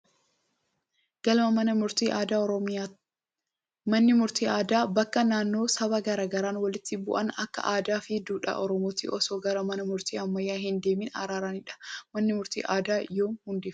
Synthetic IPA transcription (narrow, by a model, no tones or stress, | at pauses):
ɡ̥ɐlmɐmɐnɐmʊɾt̪iːʔaːd̪aːɔɾɔmɪa | mɐnːɪmʊɾt̪iːaːd̪aːbɐkːɐnaːnːo̞ːsɐβɐɡɐɾaːɡɐɾaːnwɐlɪt̪ːɪbʊ̰ʔɐnɐkːɐ̰ʔaːd̪aːfɪd̪uːᶑa̰ːʔɔɾɔmoːt̪ḭʔɔsoːɡɐɾɐmɐnɐmʊɾt̪iːɐmːɐjːaːɦɪnd̪e̞ːmɪːnɐ̰ɾaːɾaːnɪᶑɐ̥mɐnːɪmʊɾt̪ḭːʔaːd̪aːjo̞ːnhʊnd̪eːf